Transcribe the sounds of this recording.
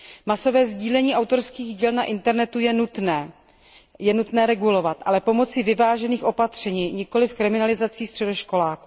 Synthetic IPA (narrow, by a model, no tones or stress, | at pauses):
maso̞vɛːzɟiːlɛɲiːʔawt̪oɾskiːɣɟiːlnaʔɪnt̪ɛɾnɛt̪ujɛnut̪nɛː | jɛnut̪nɛːɾɛɡulo̞vat̪ʔalɛpo̞mo̞t͡sɪvɪvaːʒɛniːxʔo̞pat̪r̝̥ɛɲiːɲɪko̞lɪfkɾɪmɪnalɪzat͡siːst̪r̥ɛdoʃko̞laːku